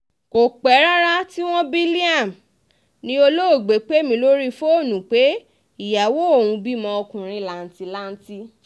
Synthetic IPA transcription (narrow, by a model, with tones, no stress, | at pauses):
ko˨k͡pɛ˨˦ɾa˦ɾa˦ti˦w̃ɔ̃˦bi˦li˦a˦˨m˨ | nĩ˦o˧lo˦o˦˨ɡ͡be˨˦k͡pe˦˨mĩ˧˦lo˦ɾi˦fo˦o˦˨nũ˨k͡pe˨˦ | i˦˨ja˨wo˦o˦˨wũ˧bi˦˨mɔ̃˧ɔ˧kũ˨ɾ̃ĩ˧˦la˨n̩˦ti˧la˦n̩˦ti˦